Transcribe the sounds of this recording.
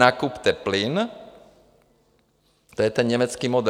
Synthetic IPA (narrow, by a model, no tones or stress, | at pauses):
aːkupt̪ɛplin | t̪ɔjɛt̪ɛnɲɛmɛt͡skiːmɔd̪